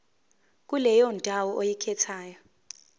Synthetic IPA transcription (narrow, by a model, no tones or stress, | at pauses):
k̬ʼulɛjɔndʱawɔʔojikʰɛtʰaːjɔ